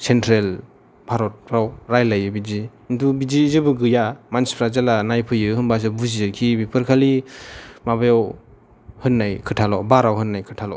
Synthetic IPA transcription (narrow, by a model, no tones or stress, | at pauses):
sentɾel | pʰaɾɔt̚pʰɾawɾajlajɯbizi | ntubiziːzɯbɯɡɯjamanspʰɾazalanajpʰɯjɯɦɯnbas̬ɯbuziɯkʰibipʰɯɾkʰali | mabajaw | hɯnːajkʰɯtʰalɔbaɾawɦɯnːajkʰɯtʰalɔ̰